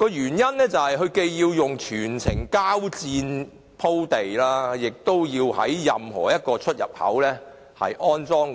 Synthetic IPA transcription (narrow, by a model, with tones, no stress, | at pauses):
kɔː˧jyː˨˩njɐ˥nlɛː˥t͡sɐ˨whɐ˨jɦɵ˧ɥke˧jjiː˧wjʊ˨ŋt͡ʃʰyː˨˩nt͡sʰɪ˨˩ŋkaː˥wt͡siː˧n | pʰo˥wt̪e˨jlaː˥jɪ˨k̚t̪o˥wjiː˧whɐ̰˨˥jːɐ˨mhɔ̰ː˨˩jɐ˥t̚kɔː˧t͡ʃʰɵ˥t̚jɐ̰˨p̚hɐ̰˨˥wlɛː˥ | hɐ̰˨jʔɔː˥nt͡sɔː˥ŋ